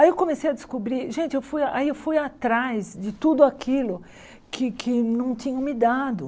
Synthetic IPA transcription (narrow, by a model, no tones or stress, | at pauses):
aiewkõmesejɐd̪ɪskobɾiɾʒẽnt͡ʃɪewfujaʔaiewfujat̪ɾajzd͡ʒɪt̪ud̪ʊakʰilʊ | kʰɪkʰɪnɐ̃w̃t̪ĩɲɐ̃mɪd̪ad̪ʊ